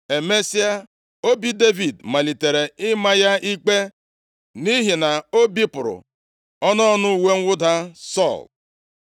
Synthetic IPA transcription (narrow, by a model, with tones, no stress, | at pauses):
e˨me˦si˦a˦ | o˦bi˦de˦vi˨dma˨li˨te˨ɾe˨ɪ˦ma˦ja˦ʔi˦k͡pe˦ | ni˦ɦi˨na˨o˦bi˦pʊ˨ɾʊ̰˨ | ɔ˦nɔ˦ɔ˦nʊ˦u˨we˦ŋ̩˦wʊ˦da˦sɔ̰˦˨l